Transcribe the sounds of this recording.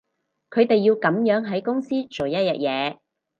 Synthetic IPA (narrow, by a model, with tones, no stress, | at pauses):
kʰɵ˨˧ɥt̪e˨jːiː˧wkɐ˨˥mjœː˨˥ŋɦɐ˨˥jkʊ˥ŋsiː˥t͡ʃo˨wjɐ˥t̚jɐ̰˨t̚jɛː˨˧